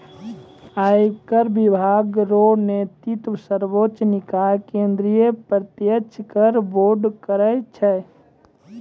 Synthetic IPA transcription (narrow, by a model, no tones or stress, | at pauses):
ajkəɾbibʱaːɡɾonet̪it̪wsəɾbot͡ʃnɪkajkẽnd̪ɾijepɾət̪jət͡ʃʰkəɾboɾɖkəɾəjt͡ʃʰɛ